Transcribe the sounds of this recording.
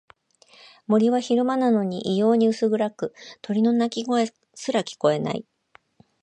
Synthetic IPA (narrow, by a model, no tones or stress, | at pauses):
mo̞ɾʲiβaçiɾɯ̟manano̞ɲ̟iʔijo̞ːɲ̟iɯ̟sɨɡɯ̟ɾakɯ̟t̪ʰo̞ɾʲino̞nakʲiɡo̞e | sɨɾakʲi̥ko̞e̞na̰ḭ